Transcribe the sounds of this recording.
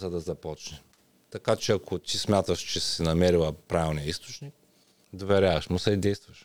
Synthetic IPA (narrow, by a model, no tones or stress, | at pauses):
zɐd̪ɐzɐpɔt͡ʃnɛ | t̪ɐkat͡ʃɛɐkʰʊt̪ismʲjat̪əʃt͡ʃɛsinɐmɛɾilˠɐpɾavɛlˠnijɐist̪ʊ̥t͡ʃnik̚ | d̪ovɛɾʲavɐʃmʊsɛid̪ɛjst̪vɐʃ